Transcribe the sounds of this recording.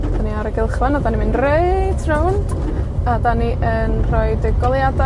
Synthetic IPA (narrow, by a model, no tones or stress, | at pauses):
d̥aniaɾəɡɪlˠχranadanimɪnreɨtʰrownd̥ | adaniʔənr̥ɔɨdəɡɔlˠjada